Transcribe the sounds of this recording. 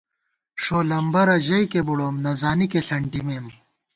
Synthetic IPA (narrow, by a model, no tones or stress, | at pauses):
ʂoːlɐmbɐɾɐʑɐjkebuɽoːmnɐzaːnikeɬɐɳʈimem